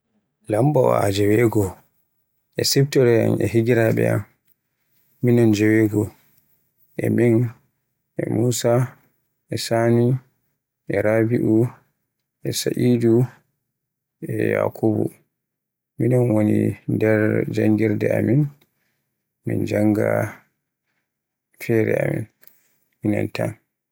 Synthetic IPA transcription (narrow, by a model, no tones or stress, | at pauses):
lambawaad͡ʒɛwɛɡɔ | ʔɛsɛbtɔɾɛa̰nɛɦiɡiɾaɓɛ̰a̰m | inɔnd͡ʒɛweɡɔ | ʔɛmin | ɛ̰muːsa | ɛsani | ʔɛɾabiʔu | ʔɛsaʔidu | ɛja̰kʰubṵ | minanwonindɛɾd͡ʒaŋɡiɾdɛamin | mḭnd͡ʒaŋɡa | fɛɾɛ̰amḭn | mina̰ntʰan